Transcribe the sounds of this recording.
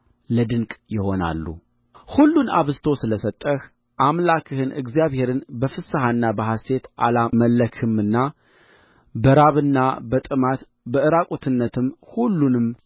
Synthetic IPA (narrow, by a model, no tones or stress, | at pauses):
ləd̪ɨŋkʼjɪho̞na̰lːṵ | hulːuna̰βɨzt̪ʰo̞sɨləsət̪ʼːəh | ʔamlakʰɨhɨnʔɨ̰ɡzjaβhe̞ɾɨnbəfɨsaɦaɨnːabəɦast̪e̞t̪ʔalaməlːəkʰɨmɨnːa | bəɾaβɨnːabət̪ʼɨmat̪ | bəɨɾakʼot̪ʰɨnːət̪ʰɨmhulːunɨm